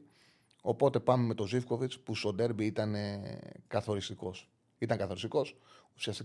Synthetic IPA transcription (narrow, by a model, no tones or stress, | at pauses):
o̞po̞t̪e̞pɐme̞me̞t̪o̞zifko̞vit͡spuso̞d̪e̞ɾbiit̪ɐnekɐθo̞ɾist̪iko̞s | it̪ɐŋkɐθo̞ɾist̪iko̞susiɐst̪i